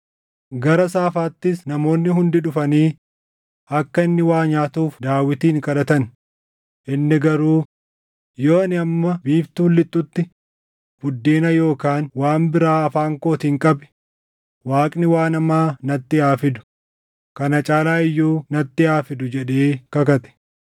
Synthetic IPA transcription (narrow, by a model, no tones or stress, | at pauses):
ɡɐɾɐsaːfaːt̪ːɪsnɐmo̞ːnːɪɦʊnd̪ɪᶑʊfɐniː | ɐkːɐɪnːɪwaːɲaːt̪uːfd̪aːwɪt̪iːŋkɐlɐt̪ɐn | ʔɪnːɪɡɐɾuː | joːɐnɪɐmːɐbiːbt̪uʊlːɪt̪ːʊt̪ːɪ | b̥ʊd̪ːeːnɐjo̞ːkaːnwaːmbɪɾaːɐfaːŋko̞ːt̪ɪŋkʼɐbɪ̥ | waːkʼnɪwaːnɐmaːnɐt̪ːɪaːfɪd̪ʊ̥ | kɐnɐt͡ʃʼaːlaːɪjːuːnɐt̪ːɪaːfɪd̪ʊd͡ʒɛᶑeːkɐkɐt̪ɛ̥